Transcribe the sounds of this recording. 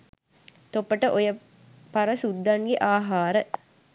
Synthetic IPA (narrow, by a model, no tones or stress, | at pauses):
t̪opːəʈəʔojə | paɾəsud̪ːaŋɡeʔaːɦaːɾə